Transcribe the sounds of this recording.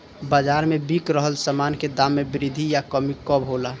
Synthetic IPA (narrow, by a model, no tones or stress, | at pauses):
bad͡ʒaɾmebikɾəɦəlsəmanked̪amːebɪɾid̪ʱijakəmikɔbɦola